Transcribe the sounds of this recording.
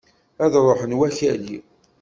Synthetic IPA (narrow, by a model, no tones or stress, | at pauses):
æðɾˤoħənwæçæli